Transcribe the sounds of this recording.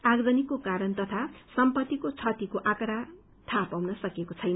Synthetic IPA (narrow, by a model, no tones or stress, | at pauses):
aɡɾʌnikːokaɾʌnt̪ʌt̪ʰasʌmpʌt̪ːikot͡sʰʌt̪ikoʔãkʌɾa | t̪ʰapawnʌsʌkekot͡sʰʌjnʌ